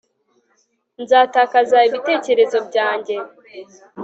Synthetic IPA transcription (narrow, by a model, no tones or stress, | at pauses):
nzaːtaːkazaiβite̞ːce̞ɾe̞zo̞bɟaːɲɟe̞